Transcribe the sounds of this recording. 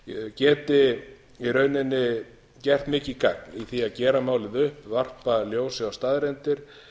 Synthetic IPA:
cɛːt̪ɪ | iɾœːɥnɪnːɪ | cɛr̥t̪mɪːcɪka̰k̚niθiaðcɛːɾamaːwlɪðʏhpvar̥paljoːwsɪawst̪aːðɾɛnt̪ɪɾ̥

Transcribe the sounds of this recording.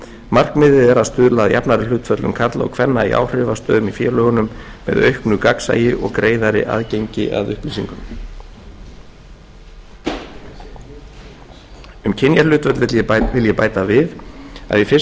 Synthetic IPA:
mar̥kmɪðɪðɛɾaðst̪ʏðlaːðjapnaɾɪlʏːt̪fœt̪lʏmkʰaɾt̪laɔ̰wkʰvɛnːaḭʔa̰ːwr̥ɪvast̪œːðʏmifjɛːlœːɣʏnʏmːɛ̰ðœ̰ɥhknʏkaksa̰ːjɪʔɔɣkɾeːjðaɾɪ̰ʔa̰ðcejɲcɪ̰ʔa̰ðʏhplisiŋkʏm | ʏmcʰɪnjalʏːt̪vœt̪lvjɛvɪljɛpaːjt̪avɪða̰ðjɛfɪ

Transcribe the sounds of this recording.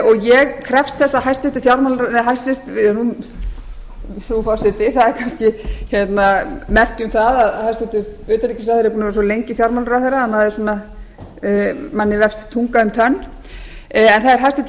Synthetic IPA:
ɔɣjɛɣkʰɾɛfst̪θɛsːaɦajst̪ɛht̪ʏ̥fjawɾmalɾnɛɦajst̪ɪst̪ɪnun | θɾufasɪt̪ɪθaðɛɾkʰanscɪçɛt̪namɛr̥cʏmθaðaðhajst̪ɛht̪ʏʏːt̪alɾicɪs̬aθɛɾpuːnaɾsɔlejɲcɪfjawɾmalɾaθɛjɾaamaðɪsɔːna | manːɪvɛfst̪t̪ʰuŋkaʏmt̪ʰœnː | ɛnθaðɛɾ̥ɦajst̪ɛt̪

